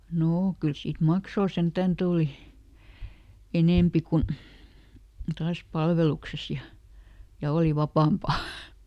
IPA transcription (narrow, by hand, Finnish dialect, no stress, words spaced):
noː kyl siːt mɑksoː sentæn tuˑli eneˑmpi kun̞ tɑːs pɑlʋelukses jɑ jɑ oˑli ʋɑpɑˑmpɑ